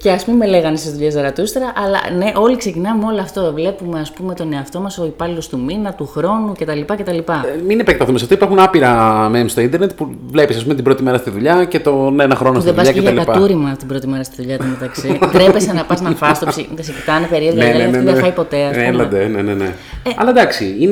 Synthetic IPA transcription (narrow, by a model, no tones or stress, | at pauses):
ce̞ɐspummeleɣɐnest̪izðuʎest̪ɐɾɐt̪ust̪eɾɐʔɐlɐ̰ne̞ʔo̞likse̞cinɐmeo̞loɐft̪ovle̞pumeɐspume̞t̪o̞ne̞ɐft̪o̞mɐso̞ipɐlilo̞st̪uminɐt̪uxɾo̞nuce̞t̪ɐlipɐce̞t̪ɐlipɐminepɾkt̪ɐθumesɐft̪oipɐɾxunɐpiɾɐmemst̪o̞ind̪eɾne̞t̪puvle̞pisɐspume̞t̪ibɾot̪imeɾɐst̪iðuʎɐce̞t̪o̞neenɐxɾo̞nosðieðɐsʎɐeʝɐlikɐpɐuɾimɐt̪ibɾo̞t̪imeɾɐst̪iðuʎɐt̪imet̪ɐksit̪ɾepesenɐpɐznɐfɐst̪osit̪esecit̪ɐnepeɾioneeneðefɐipo̞t̪e̞ɐslɐd̪enenene | ɐ̰lɐd̪ɐksiin